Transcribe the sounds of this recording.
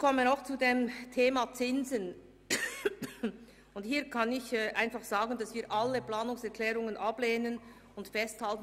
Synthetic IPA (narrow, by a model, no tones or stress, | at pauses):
kʰɔmənaʊxt͡sudeːmtʰeːmat͡sɪnzən | ʊnthiːɐkʰɑnɪçɛːʔaɪnfɑχz̥aːɡən̩d̥ɑsv̥iːɐʔaləplaːnʊŋsɛɐkʰlɛːʁʊŋənʔableːnən | ʊntfɛsthaltn̩